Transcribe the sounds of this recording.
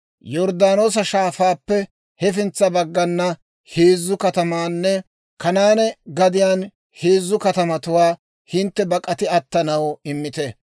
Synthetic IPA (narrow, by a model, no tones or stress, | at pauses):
jɔɾd̪aːno̞ːs̬ɐʃaːfaːpːɛ | hɛfɪnt͡sːɐbɐɡːɐnːɐ | heːzːʊkɐt̪ɐmaːnːɛ | kɐnaːnɛɡɐd̪ɪjaːn | heːzːʊkɐt̪ɐmɐt̪ʊwaː | hɪnt̪ːɛbɐkʼɐt̪ɪɐt̪ːɐnɐwɪmːɪt̪ɛ